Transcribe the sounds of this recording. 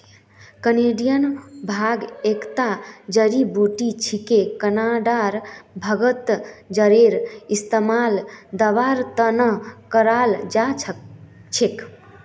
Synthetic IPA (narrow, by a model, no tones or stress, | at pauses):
kəneɖijənbʱaɡekt̪ad͡ʒəɾibuʈit͡ʃʰikekənaɖaɾbʱəɡət̪d͡ʒəɾeɾist̪əmald̪əʋaɾt̪ənəkəɾald͡ʒat͡ʃʰ | t͡ʃʰek